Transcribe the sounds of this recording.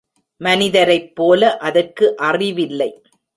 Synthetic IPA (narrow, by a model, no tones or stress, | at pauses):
mɐnɪðɐɾɐɪpːoːlɐʔɐðɐrkɯʔɐrɪʋɪlːɐɪ